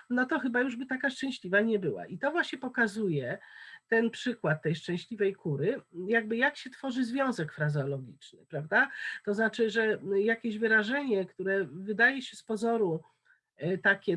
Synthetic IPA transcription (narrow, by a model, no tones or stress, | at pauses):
nɔt̪ɔxɘbajuʐbɘt̪akaʂt͡ʂɛ̃w̃ɕlʲivaɲɛbɘwa̰ʔit̪ɔvwaɕɲɛpɔkazujɛt̪ɛnpʂɘkwat̪̚ːɛjʂt͡ʂɛ̃w̃ɕlʲivɛjkʰuɾɘjaɡ̚bɘjakɕɛt̪fɔʐɘzvʲjɔ̃w̃zɛkfɾazɔlɔɡʲḭt͡ʂnɘ̰pɾavd̪at̪ɔznat͡ʂɘʐɛjakʲeʑvɘɾaʐɛɲɛkt̪uɾɛvɘd̪ajɛɕɛspɔzɔɾu | t̪akʲɛ